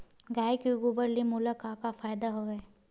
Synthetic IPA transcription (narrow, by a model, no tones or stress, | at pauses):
ɡaːjkiɡubəɾlimulakaːkafaːjd̪aɦoɛː